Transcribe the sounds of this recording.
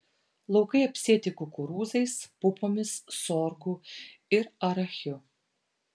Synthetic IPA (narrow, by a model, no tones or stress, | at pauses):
lˠɐʊkɐɪɐpʲsʲiːt̪ʲɪkʊkʊɾuːzɐɪspʊpoːmʲɪssɔːɾkuɪɾɐɾɐxʲʊ